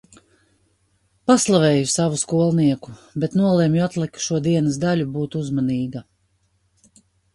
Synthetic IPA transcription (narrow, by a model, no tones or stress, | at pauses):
paslˠavɛːjusavuskuɔlˠniɛkubet̪nuɔlˠɛmjuat̪lˠikʃuɔd̪iɛnəsd̪alʲubuːt̪uzmaniːɡa